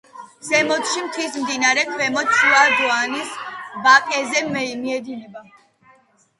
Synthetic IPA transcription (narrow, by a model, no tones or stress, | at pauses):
z̥ɛmɔt̪ʃimt̪ʰismd̪inaɾɛkʰwɛmɔt̪suad̪ɔanisbakʼɛzɛmɛimiɛd̪inɛba